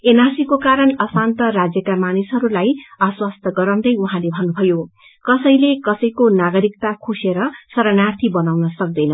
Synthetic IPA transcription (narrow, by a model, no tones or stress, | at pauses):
enarsikokaɾʌnʌsant̪ʌrad͡zjʌkamanisɦʌɾulajaswast̪ʰʌɡʌɾʌw̃d̪ʌjuɦãlebʱʌnːubʱʌjo | kʌsʌj̃lekʌsʌjkonaɡʌɾikt̪akʰuseɾʌsʌɾʌnart̪ʰibʌnawnʌsʌk̚d̪ʌjnʌ